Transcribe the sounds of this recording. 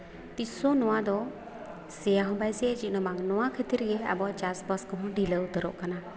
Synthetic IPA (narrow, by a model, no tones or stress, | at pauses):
t̪isɔnɔwad̪ɔ | sɛjaɦɔ̃bajsɛɛt͡ʃit̪nɔmaŋnɔwakʰət̪iɾɡɛɛ̰bɔʔt͡ʃasbɔskɔɦɔ̃ɖʱiləut̪əɾɔ̰ʔkana